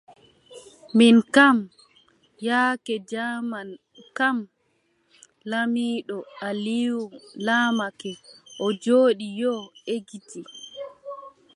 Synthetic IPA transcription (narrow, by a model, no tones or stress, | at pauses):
minkam | jaːkɛd͡ʒaman | kam | lamiːɗɔaliwumlaːmakɛʔɔd͡ʒoːɗijɔeɡiti